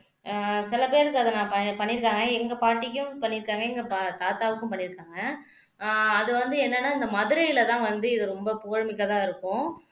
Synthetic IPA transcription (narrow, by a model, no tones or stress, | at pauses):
sɪlɐpeːɾɯkːɯɐðɐnãːpɐpɐɳːɪɾɯkːaːŋɡɐɛŋɡɐpaːʈːɪk̬ʲːʊ̃pɐɳːɪɾɯkːaːŋɡɐɛŋɡɐpt̪aːt̪aːʋɯkːʊ̃pɐɳːɪɾɯkːaːŋɡɐ | ðɯʋɐnd̪ɯɛnːɐnːaːɪnd̪ɐmɐðɯɾɐjɪlɐt̪ãːʋɐnd̪ɯɪðɯɾɔmbɐpʊɣɐɻmɪkːɐt̪ãːɪɾɯkːʊ̃